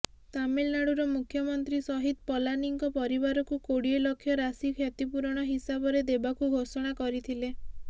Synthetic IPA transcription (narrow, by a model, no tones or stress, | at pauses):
t̪amelnaɽuɾɔmukʰjɔmɔnt̪ɾisɔɦid̪̚pɔlaniŋkɔpɔɾibaɾɔkukoɽielɔkʰːjɔɾasikʰjat̪ipuɾɔɽ̃ɔɦisabɔɾed̪ebakuɡʱosɔɽ̃akɔɾit̪ʰile